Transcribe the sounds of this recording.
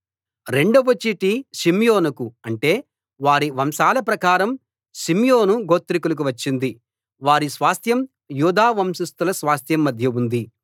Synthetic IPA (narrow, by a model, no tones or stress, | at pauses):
ɾe̞ɳɖuʋot͡ʃːiʈiʃimjoːnukuɐɳʈe̞ː | ʋaːɾiʋɐmsaːlɐpɾɐkaːɾɐm | ʃimjo̞ːnuɡoːt̪ːɾik̬uluk̬uʋɐt͡ʃːind̪i | ʋaːɾisʋaːst̪jɐm | juːd̪aːʋɐmsust̪ulɐsʋaːst̪jɐmːɐd̪ʱjɐund̪i